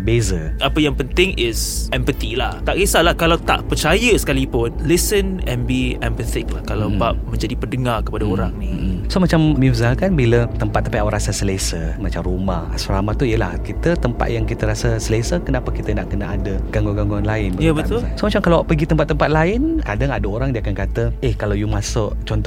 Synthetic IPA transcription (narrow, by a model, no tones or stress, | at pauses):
bezəʔapəjaŋpənt̪ɪŋɪsʔɛmpət̪ilaht̪aʔkisalahkalawt̪a̰ʔpərt͡ʃajəsə̥kalipʊnlisənɛ̃nbiɛmpət̪ɪk̚lahkalawbaʔmə̃ɲd͡ʒadipərdəŋarkə̥padaoɾaŋnisomat͡ʃammizakanbilət̪əmpat̪ːapajawaɾasasəlesəmat͡ʃamrumaha̰saɾamat̪uijəla̰hkit̪ət̪əmpa̰t̪̚jaŋkit̪əɾasəsəlesəkənapakit̪ənaʔkənaadəɡaŋɡoɡaŋɡuanlaɪnbəjabət̪ʊlsomat͡ʃamkalawʔpəɡit̪əmpat̪ːəmpat̪̚laɪnkadaŋadaoɾaŋdiəakankat̪əɛhkalawjumãsʊʔt͡ʃɔnt̪ɔ